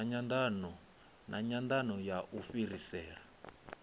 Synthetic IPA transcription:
ɲand̪anɔ | nʔaɲand̪anɔjaʔufiɾisɛːɺa

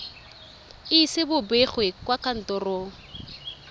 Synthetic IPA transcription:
isɪbʊbeχwekwakan̩tɔroːŋ̩

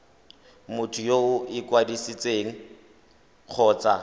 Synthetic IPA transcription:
mʊtʰʊjoʊɪkwadisit͡sʼeːŋ̩ | q͡χʰɔːt͡sa

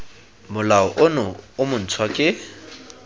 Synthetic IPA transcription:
mʊlaɔʔʊnʊʊmʊn̩t͡sʰwakʼɪ

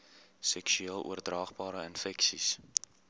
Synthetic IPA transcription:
sɛksyiːəlˠṵərdrɑːχbɑːɾəənfɛksis

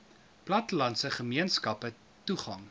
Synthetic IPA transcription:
plɐtəlɐntsəχəmiənskɐpə | tuχɐŋ

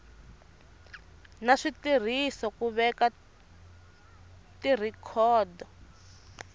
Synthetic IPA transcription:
naʂitir̤isɔkuβɛka | tir̤ikʰɔːdɔ

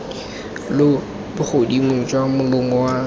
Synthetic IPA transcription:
lʊ | bʊχʰodimʊt͡ʃʼwaŋ̩mʊlʊmɔwa

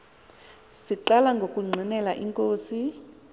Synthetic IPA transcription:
siǃalaŋɡʱokʼuŋ͡ǀʱinɛlaʔiŋkʼoːsi

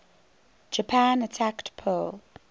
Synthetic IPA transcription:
d͡ʒəpʰãnətʰaktpʰul

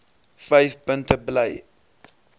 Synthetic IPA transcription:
fɛjfpəntəbləj

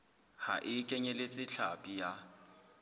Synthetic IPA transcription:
ha̰ʔɪkʼɛɲɛlet͡sʼɪɬʰapʼija

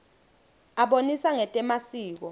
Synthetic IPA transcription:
aɓonisaŋɛtʼɛmasiːk̬ɔ

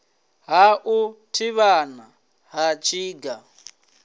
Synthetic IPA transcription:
ɦaʔutʰiβana | ɦat͡ʃʰiːɡa

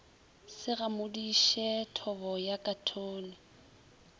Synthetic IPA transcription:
sɪramʊdiʃɛtʰɔβɔjakʼatʰoːnɪ

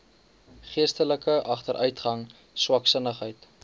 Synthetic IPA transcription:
χiəstələkəʔɐχtəɾʔœɥtχɐŋ | swɐksənəχɦəjt

